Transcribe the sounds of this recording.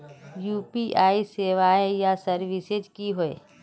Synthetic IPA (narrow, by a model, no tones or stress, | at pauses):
juːpiʔaːiseːʋaːejasəɾʋised͡ʒkiɦoe